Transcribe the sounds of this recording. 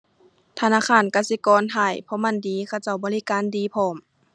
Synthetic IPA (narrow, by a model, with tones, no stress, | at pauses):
t̪ʰa˧naː˧˥˨kʰaː˧˥˨nka˧si˧˦kɔː˧˦nhʰaː˧˩jpʰɔ˧˨ma˧˨ndiː˨˦kʰa˧˩wt͡ɕa˧˩wbɔː˧˦li˧˨kaː˧˨ndiː˨˧˦pʰɔː˧˩˦m